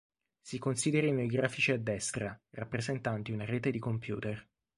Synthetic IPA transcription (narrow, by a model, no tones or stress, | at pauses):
sikonsiːd̪eɾainejɡɾaːfit͡ʃiad̪ːɛst̪ɾarapːɾezent̪ant̪iunaɾeːt̪ed̪ikompjṵːt̪er